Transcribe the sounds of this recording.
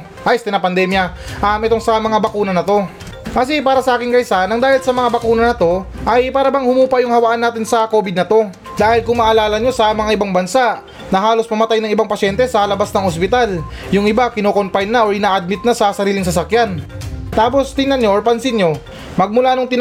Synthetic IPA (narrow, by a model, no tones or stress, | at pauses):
ʔajst̪ɛnɐpɐnd̪ɛmjɐʔɐmʔɛt̪o̞ŋsɐmɐŋabɐkuːnɐnɐt̪o̞ | kɐs̬ɪpaːɾɐsɐʔaːkɪnkɐjsanɐŋd̪aːhɪlsɐmɐŋabɐkuːnɐnɐt̪o̞ʔɐjpaːɾɐbɐŋhʊmuːpɐjʊŋhɐwɐʔanːaːt̪ɪnsɐko̞ːbɪd̪nɐt̪o̞ | d̪aːhɪlkʊŋmɐʔɐlaːlɐɲo̞sɐmɐŋaʔɪbaŋbɐnsaʔ | nɐɦaːlo̞smɐmɐt̪ajnɐŋɪbaŋpɐʃɛnt̪ɛsɐlɐbasnɐŋospɪt̪aljʊŋʔɪbakɪnoːko̞mpajnːaʔoɹʔɪnaːʔɐd̪̚mɪt̪̚nasɐsɐɾiːlɪŋs̬ɐs̬ɐkjant̪aːp̬o̞st̪ɪnɐnɲo̞ʔoɹpɐnsɪnɲo̞ | mɐɡ̚mʊlanoŋt̪ɪn